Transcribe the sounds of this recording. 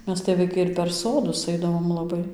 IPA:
ˈmʲɛs tɐɪ ʋɐɪˈkɐɪ ɪr pʲɛr ˈsoːdʊs ˈɐɪdɐʋoːm lˠɐˈbɐɪ

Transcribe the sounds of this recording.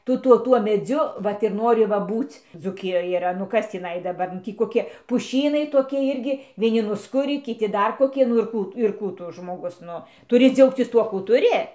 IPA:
ˈtʊ ˈtuɔ ˈtuɔ mʲɛˈd͡zʲʊ ˈʋɐt ɪr ˈnoːrʲɪ ˈʋɐ ˈbuːt͡s d͡zuːˈkʲɪjoːj iːˈrɐ nʊ ˈkɐs tʲiːˈnɐɪ dɐˈbɐr nʊ ˈtʲiː koːˈkʲɪ pʊˈʃʲiːnɐɪ toːˈkʲɪ ˈɪrʲɡʲɪ ʋʲiɛˈnʲɪ nʊsˈkʊrʲiː kʲɪˈtʲɪ ˈdɐr koːˈkʲɪ nʊ ɪr ˈkuː tʊ nʊ ɪr ˈkuː tʊ ʒmoːˈɡʊs ˈnʊ tʊˈrʲɪ ˈd͡zʲɛʊkt͡sʲɪs ˈtuɔ kuː tʊˈrʲɪ

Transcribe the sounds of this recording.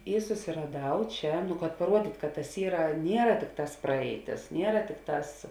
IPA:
ˈiː sʊsʲɪrɐˈdɐʊ ˈt͡ʃʲɛ kɐt pɐˈruɔdʲiːtʲ kɐt tɐs ˈiːrɐ ˈnʲiɛrɐ ˈtʲɪkˌtɑːs ˈprɐɛɪˌtʲɪs ˈnʲiɛrɐ ˈtʲɪkˌtɑːs

